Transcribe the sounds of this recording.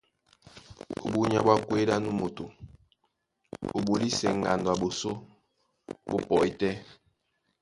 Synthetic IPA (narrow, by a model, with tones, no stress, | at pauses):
o̰˨bu˦ɲa̰˦bwa˦kwe˦ɾa˦nu˦mo˨to˨ | o̰˨bo˨li˦sɛ̰˨ŋ̩˨ɡa̰˨ndwa˨bo˨so˦ | bo˦pɔ˨i˦tɛ˦